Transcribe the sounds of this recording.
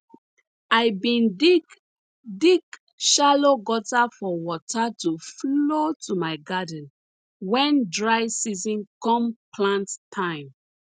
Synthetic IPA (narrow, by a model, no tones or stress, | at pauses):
aɪbĩn | diɡ | ʃaloɡɔtafɔwɔtatuflotʰumaɪɡadə̃n̩ | wɛ̃ndɹaɪsizɔ̃nkɔ̃mpʰlãnttʰːãɪ̃m